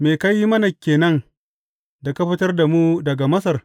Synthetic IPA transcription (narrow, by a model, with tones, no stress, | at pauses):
meː˨ka˦jːi˦mɐ˦na˨kʲeː˨nɐ˦n | da˨ka˦ɸɪ˦tɐ˦rda˨mu˦dɐ˨ɡa˨mɐ˦sɐ˨r